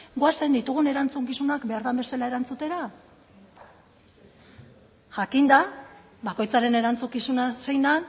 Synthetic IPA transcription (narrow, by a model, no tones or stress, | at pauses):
ɡoasend̪it̪uɣune̞ɾant͡suŋkisunakbe̞aɾðambe̞salae̞ɾant͡sut̪e̞ɾa | ʝakind̪a | bako̞jt͡saɾe̞ne̞ɾant͡sukisunasejnd̪an